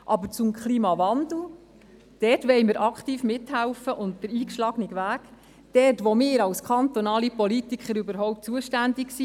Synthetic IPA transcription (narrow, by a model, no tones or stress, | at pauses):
ʔɑbəɾt͡sumkʰχliːmɑʋɑndl̩ˠ | d̥ɛtʋɛɪməɾʔɑkχtiːfmɪthælfəʔʊnt̚d̥əɾiːkʃlɑɡniɡʋæːɡ̥ | d̥ɛrtʋomɪːɾɑlskʰɑnt̪ɔnɑːlipɔlitikʰχəɾybəɾɦɔʊp̚t̚t͡suəʃtændiksi